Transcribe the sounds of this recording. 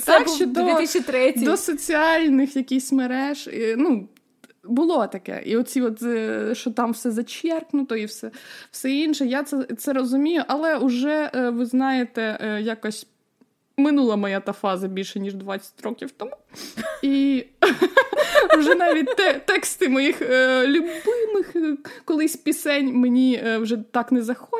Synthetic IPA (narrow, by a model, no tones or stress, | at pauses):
t̪akt͡ʃːɔd̪ɔiʃit̪ɾɛd̪ɔsɔt͡sʲiɑlʲnɪxjɐkʲisʲmeɾɛʒnu | bʊlˠɔt̪ɐkɛ̰ʔḭɔt͡sʲiɔt̪ɛʃt͡ʃɔt̪ɑmwsɛzɐt͡ʃʲɛrknʊt̪ɔiwsɛwsɛinʃɛjat̪sɛt̪sɛɾɔzʊmʲijʊʔɐlˠɛʊʒɛʋɪznɑjet̪ɛjakɐsʲ | mɪnulˠɐmɔjat̪ɑfɑzɐbʲilʲʃɛnʲiʒd̪ʋɑt͡sʲːɐ̥tʲɾɔkʲiwt̪ɔmui | ʊʒɛnɑʋʲit̚ʲt̪ɛt̪ɛkst̪ɪmɔjixlʲʊbɪmɪxkɔlˠɪsʲpʲisɛnʲmenʲiwʒɛt̪ɑknɛzɐxɔ